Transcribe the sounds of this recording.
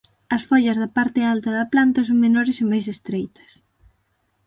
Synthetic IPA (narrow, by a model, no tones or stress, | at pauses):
ɐsfɔʎɐzðɐpaɾt̪ɪalt̪ɐðɐplant̪ɐsoŋmenɔɾɪsɪmajsest̪ɾejt̪ɐ̥s